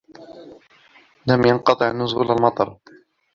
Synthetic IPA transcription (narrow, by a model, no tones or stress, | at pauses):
lamjɑnqɑt̪ˤɨʕnʊzʊlalmɑt̪ˤɑɾˤ